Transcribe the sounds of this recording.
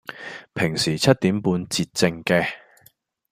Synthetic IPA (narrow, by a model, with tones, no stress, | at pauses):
pʰɪ˨˩ŋsiː˨˩t͡sʰɐ˥t̚t̪iː˨˥mpuː˧nt͡siː˧t̚t͡sɪ˧ŋkɛː˧